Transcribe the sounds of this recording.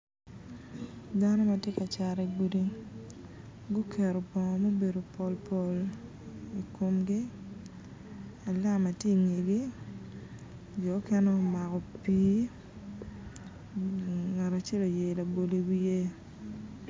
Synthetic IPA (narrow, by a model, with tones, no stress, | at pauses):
da˦nɔ˦ma˨tje˦ka˨t͡ʃa˨ɾɛ˨ɡu˦di˦ | ɡu˦kʰɛ˨ɾo˨pɔ˨ŋɔ˨mo˦be˨do˨po˨lpʰo˨l | i˨ko˨mɡi˦ | a˨la˦ma˨te˦˨ŋe˨ɡi˦ | d͡ʒɔ˨˦kɛ˦nɔ˦ma˨kɔ˨pi˦ | ŋa˨ɾa˨t͡ʃɛ˦lo˨je˨la˨bo˨li˨wi˦je˦